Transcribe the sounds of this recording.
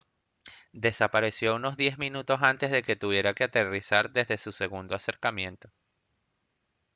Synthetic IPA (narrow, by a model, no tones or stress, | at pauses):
d̪e̞sapaɾe̞sjo̞uno̞zðje̞zmĩnut̪o̞sant̪e̞zðe̞ke̞t̪uβje̞ɾakeat̪erisaɾd̪e̞zðe̞suse̞ɣund̪oase̞ɾkamjẽ̞nt̪o̞